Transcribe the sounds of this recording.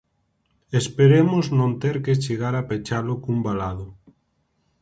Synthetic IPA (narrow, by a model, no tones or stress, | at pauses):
espeɾemoznõnt̪eɾket͡ʃeɣaɾapet͡ʃalokumbalaðʊ